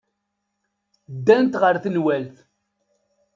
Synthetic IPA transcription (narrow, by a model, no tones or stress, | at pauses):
d̪ːænt̪ʁəɾθənwælθ